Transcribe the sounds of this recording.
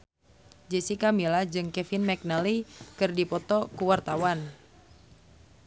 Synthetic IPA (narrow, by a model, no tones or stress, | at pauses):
d͡ʒɛsikamilad͡ʒɨŋkɛfinmɛk̚nalikɨrdipɔt̪ɔkuwart̪awan